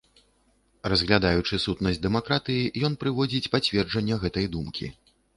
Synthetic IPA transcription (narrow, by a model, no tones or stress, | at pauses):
rɐzɣlʲad̪ajut͡ʂɨsut̪nɐsʲd̪ɛmakɾat̪ɨjijɔn̪pɾɨvɔd͡zʲit͡sʲpat͡sʲvʲɛrd͡ʐɐnʲːɐɣɛt̪ɐjd̪umkʲḭ